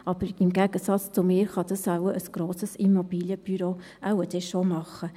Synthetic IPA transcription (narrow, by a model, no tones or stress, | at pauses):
ʔɑb̥əɾɪmɡæɡ̥əsɑt͡st͡sʊmɪːɾχɑd̥̪ɑsawəʔəsɡ̥ɾoːsəsimɔbiːljəb̥yɾoʔawəd̥ɛʃomɑχə